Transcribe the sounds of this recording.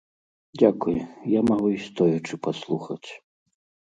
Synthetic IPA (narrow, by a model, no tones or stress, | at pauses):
d͡zʲakujɛjamaɣuist̪ɔjɐt͡ʂɨpaslˠuxɐt͡sʲ